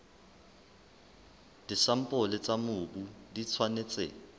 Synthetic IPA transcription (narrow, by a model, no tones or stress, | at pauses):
d̥isam̩pʼʊlɪt͡sʼamʊːbudit͡sʰwanet͡sʼḛ